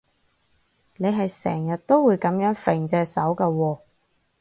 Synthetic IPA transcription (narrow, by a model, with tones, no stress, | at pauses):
ne˨˧jɦɐ˨jsɛ̰ː˨˩ŋjɐ˨t̚t̪o˥wwuː˨˧jkɐ˨˧˥mjœː˨˥ŋfe˨ŋt͡sɛː˧sɐ˨˥wkɐː˧wɔː˧